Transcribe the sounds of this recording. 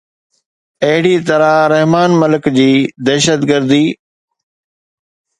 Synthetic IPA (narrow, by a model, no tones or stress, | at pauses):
ɐɦɪɽit̪ɐɾaɾɛɦmaːnməlɪkd͡ʑiːd̪ɛːʃəd̪ɡəɾd̪iː